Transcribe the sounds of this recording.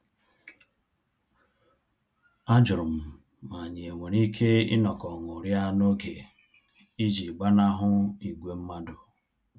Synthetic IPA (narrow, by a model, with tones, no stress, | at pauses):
a˦d͡ʒʊ˨ɾʊ˨m̩˨ | ma˨a˨ɲɪ˨e˨ŋʷe˨ɾi˦kʰe˦ɪ̰˦nɔ˨kɔ˨ŋʊ˨ɾja˦no˦ke˨ | i˦d͡ʒi˨ɡ͡ba˦na˦ɦʊ˦i˨ɡʷe˦m̩˦ma˦dʊ˨